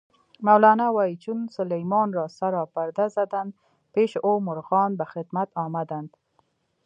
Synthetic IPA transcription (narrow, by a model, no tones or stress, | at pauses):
mawlɑnawɑit͡ʃunsʊlajmɑnɾɑsaɾɑpaɾd̪azad̪and̪ | peʃʔomʊɾɣɑnbaxɪd̪mat̪ɑmad̪and̪